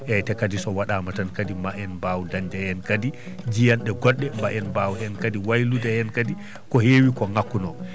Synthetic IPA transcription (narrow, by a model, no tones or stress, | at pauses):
ʔɛtɛkadisɔwaɗamatankadimaʔɛnbawudand͡ʒɛhɛnkadi | d͡ʒijanɗɛɡɔɗːɛmbaʔɛnbawuhɛnkadiwajludɛhɛnkadi | kɔhewikɔŋakːunɔ